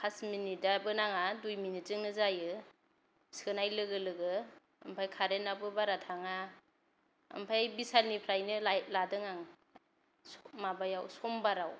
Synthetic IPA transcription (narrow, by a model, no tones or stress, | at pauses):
kʰasminidabɯnaŋadujminit̚zɯŋnɯzajɯ | sɯnajlɯɡɯlɯɡɯ̰ː | mpʰajkʰaɾenabɯbaɾatʰaŋa | ə̰mpʰajbisalnipʰɾajnɯladɯŋaŋ | smabajawsɔmbaɾaw